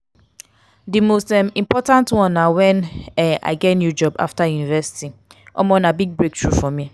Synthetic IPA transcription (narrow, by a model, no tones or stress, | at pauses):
dimostɛmĩmpɔtãntwɔ̃nːawɛ̃nɛa̰ɪɡɛtnjud͡ʒɔba̰ftajunivɛsi̥tiʔɔ̰mɔ̃nabiɡ̚bɹek̚tɹufɔmi